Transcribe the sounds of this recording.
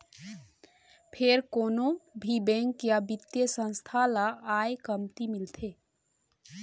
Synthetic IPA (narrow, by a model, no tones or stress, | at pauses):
pʰeɾkoːnobʱibɛ̃ŋkjabɪt̪jəsə̃nst̪ʰalaaːekəmt̪imɪlt̪ʰeː